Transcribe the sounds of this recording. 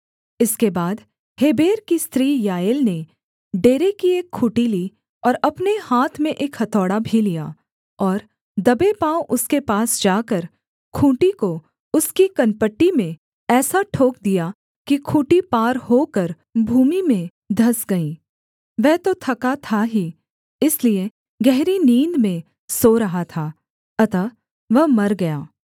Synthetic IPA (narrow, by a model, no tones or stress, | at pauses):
ɪskebaːd̪ | heːbeːɾkist̪ɾiːjaːjɪlne | ɖeːɾekieːkʰːuːʈiliː | ɔːɾɐpnehaːt̪ʰmẽʔeːkhɐt̪ʰɔːɽabʱilijaː | ɔːɾ | d̪ɐbepãːoʔʊskepaːsd͡ʒaːkəɾ | kʰũːʈiko | ʊskikɐnpəʈːimẽ | ɛːsaʈʰoːk̚d̪ija | kikʰũːʈipaːɾɦoːkəɾ | bʱuːmimẽ | d̪ʱɐsɡɐĩː | ʋɛɦt̪ot̪ʰɐkat̪ʰaɦi | ɪslie | ɡɛɦɾiniːnd̪mẽ | soɾɐɦat̪ʰaː | ɐt̪a | ʋɐɦmɐɾɡɐjaː